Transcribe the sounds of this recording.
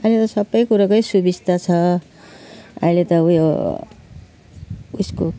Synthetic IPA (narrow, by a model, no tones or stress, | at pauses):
ʌilet̪ʌsʌbːʌjkuɾakojsubist̪at͡sʰʌ | ʌ̰ilet̪ʌjo | usko